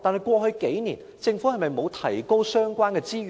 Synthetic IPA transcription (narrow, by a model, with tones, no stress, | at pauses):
t̪aː˨nɦɐ˨˩jkʷwʷɔː˧hɵ˧ɥke˨˥jniː˨˩n | t͡sɪ˧ŋfuː˨˥hɐ˨˩jmɐ˨jmo˨˧wt̪ʰɐ˨˩jko˥wsœː˥ŋkwaː˥nkɛː˧t͡siː˥ɥ